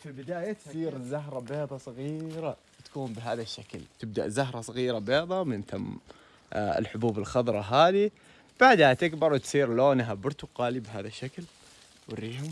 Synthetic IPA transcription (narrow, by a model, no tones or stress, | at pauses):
fibɪd̪aːjat̪sˤiːɾzaɦɾˤɑbeːd̪ˤɑsˤɑɣiːɾawɪt̪ḁkuːmbɪɦaːðaʃːaklt̪ɪb̚d̪a̰ʔzaɦɾˤɑsˤɑɣiːɾabeːðˤɑmɪnt̪am | ɪ̰lħʊbuːbɪlxɑðˤɾˤɑɦaːði | b̥aʕd̪hat̪ɪkbɑɾˤwt̪sˤiːɾloːnɦabʊɾˤt̪ʊqɑːlibɦaːðaʃːakl | wɪrːiːhʊm